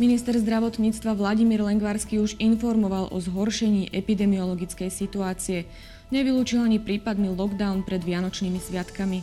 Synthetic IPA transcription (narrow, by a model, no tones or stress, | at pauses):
minist̪ɛɾzd̪ɾaʋɔt̪ɲiːt͡st̪ʋaʋlaɟimiːɾlɛŋɡʋaɾskiːuʒinfɔɾmɔʋalʔɔ̰zɦɔɾʃɛɲiːʔɛpid̪ɛmiɔlɔɡit͡skɛjsit̪uaːt͡siɛ | ɲɛʋiluːt͡ʃilaɲipɾiːpad̪nilɔɡd̪aʊnpɾɛd̪ʋɪanɔt͡ʃnimisʋɪat̪kami